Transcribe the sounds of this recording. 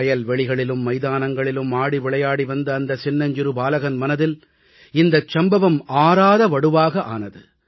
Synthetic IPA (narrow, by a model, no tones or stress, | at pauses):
ɐjɐlʋɛɭɪɣɐɭɪlɯmːɐɪðaːnɐŋɡɐɭɪlɯmaːɽiʋɪɭɐjaːɽiʋɐnd̪ɐːnd̪ɐsɪnːɐɲd͡ʒɪɾɯbaːlɐɣɐnmɐnɐðɪl | ɪnd̪ɐt͡ʃːɐmbɐʋɐmaːɾaːðɐʋɐɽɯʋaːɣɐʔa̰ːnɐðɯ